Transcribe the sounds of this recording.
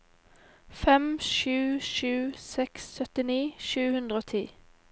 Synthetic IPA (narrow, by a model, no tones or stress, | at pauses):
fɛmʃʉːʃʉːsɛksːœt̪ɪniːʃʉːhʉnd̪ʁəoːt̪ʰḭː